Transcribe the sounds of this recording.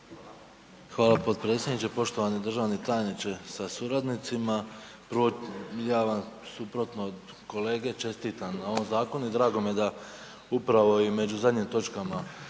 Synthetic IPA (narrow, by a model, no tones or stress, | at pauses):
xʋaːlˠapo̞dt̪̚pɾe̞tsje̞d̪nit͡ʃepo̞ʃt̪o̞ʋaned̪r̩ʒaːʋnet̪ajenit͡ʃe̞sasuɾad̪nit̪sima | pɾojaːʋamsupɾo̞t̪nod̪ | ko̞le̞ːɡe̞t͡ʃe̞st̪iːt̪annao̞ʋomzaːko̞nuid̪ɾaːɡo̞mije̞d̪a | upɾaʋo̞ime̞d͡ʒuzad̪ɲimt̪o̞t͡ʃkama